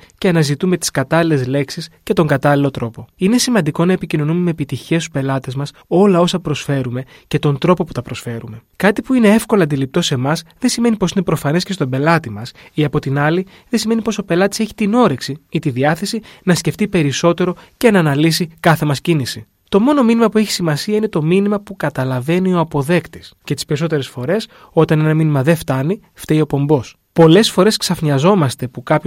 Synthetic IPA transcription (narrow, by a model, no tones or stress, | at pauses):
ce̞ɐnɐzit̪ume̞t̪i̥skɐt̪ɐlile̞zle̞ksisce̞t̪o̞ŋɡɐt̪ɐlilo̞t̪ɾo̞po̞ine̞simɐnd̪iko̞nɐepicino̞numeme̞ːpit̪içe̞st̪u̥spe̞lɐt̪e̞zmɐso̞lɐo̞sɐpɾo̞sfe̞ɾume̞ | ce̞t̪o̞nd̪ɾo̞po̞pu̥t̪ɐpɾo̞sfe̞ɾume̞kɐt̪ipuine̞e̞fko̞lɐnd̪ilip̚t̪o̞se̞mɐsðe̞sime̞niposine̞pɾo̞fɐne̞scest̪obe̞lɐt̪imɐsiɐpo̞t̪inɐli | ðesime̞nipo̞so̞pe̞lɐt̪i̥se̞çi̥t̪ino̞ɾeksiit̪iðiɐθe̞sinɐsce̞ft̪ipe̞ɾiso̞t̪e̞ɾo̞ce̞nɐːnɐlisikɐθe̞mɐscinisi | t̪o̞mo̞no̞minimɐpue̞çi̥simɐsiɐine̞t̪o̞minimɐpukɐt̪ɐlɐve̞nio̞ɐpo̞ðe̞kt̪i̥scet̪ispe̞ɾiso̞t̪e̞ɾe̞sfo̞ɾe̞s | o̞t̪ɐne̞nɐminimɐðe̞ft̪ɐni | ft̪eio̞po̞mbo̞s | po̞le̞sfo̞ɾe̞sksɐfɲɐzo̞mɐst̪e̞pukɐp